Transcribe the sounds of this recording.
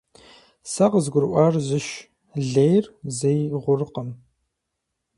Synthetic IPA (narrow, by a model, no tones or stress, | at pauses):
saqəzɡʷʊɾʔʷarʑɪʃ | ɮejrzejʁʷʊrɨqəm